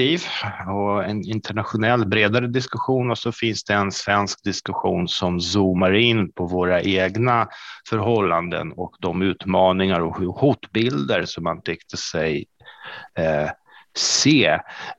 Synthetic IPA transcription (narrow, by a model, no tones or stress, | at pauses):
iːvɔɛnɪnt̪ʰəɳat̪ɧʊnɛlːbɾeːd̪aɾəd̪ɪskɵɧuːnɔsɔfɪnsd̪̥ɛɛnsvɛnsk̚d̪ɪskɵɧuːnsɔmsuːmaɾɪnːpʰɔvoːɾaʔeːɡnafœɾɦɔlːand̪ə̰nɔkd̪ɔmʉ̟ːt̪mɑːnɪŋaɾɔhhuːt̪bɪld̪əɾsɔmant̪ʰɛkt̪ʰəsɛj | seː